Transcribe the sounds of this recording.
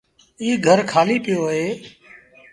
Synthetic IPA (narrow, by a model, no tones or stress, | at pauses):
iːɡʱəɾkʰaːliːpɪjoːɦɦeː